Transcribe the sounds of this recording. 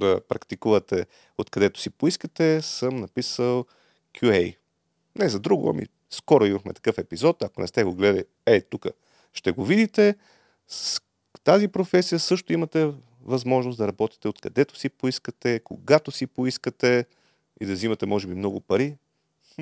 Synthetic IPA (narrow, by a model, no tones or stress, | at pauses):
d̪ɐpɾɐkt̪ikuvɐt̪ɛ | ot̪kɐd̪ɛt̪ʊ̥sipoiskət̪ɛsɤmnɐpisəlˠ | kʰʲjuɛj | nɛzɐd̪ɾuɡʊ̰ɐ̰mḭ | skɔɾoimɐxmɛt̪ɐ̥kɤfɛpizɔt̪ɐkonɛ̰st̪ɛɡoɡlɛd̪əi | ɛt̪ukə̰ | ʃt̪ɛɡovid̪it̪ɛ | t̪azipɾofɛsijəsɤʃt̪ʊimɐt̪ɛ | vɐzmɔʒnosd̪ɐɾɐbɔt̪i̥t̪ɛot̪kɐd̪ɛt̪ʊ̥sipoiskət̪ɛkoɡat̪osipoiskət̪ɛ | ḭd̪ɐzimɐt̪ɛmɔʒɛbimnɔɡʊpɐɾi